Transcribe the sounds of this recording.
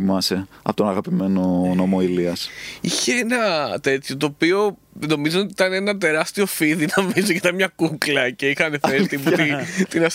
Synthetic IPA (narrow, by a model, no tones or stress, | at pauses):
imɐseɐ̰pot̪onɐɣɐpime̞nonomoiliɐsiçe̞enɐt̪e̞t̪ço̞t̪o̞ːpio̞ | no̞mizoot̪iit̪ɐneenɐt̪e̞ɾɐst̪io̞fiðinɐvizocit̪ɐnmɲɐkuklɐce̞ixɐne̞θest̪iput̪it̪inɐs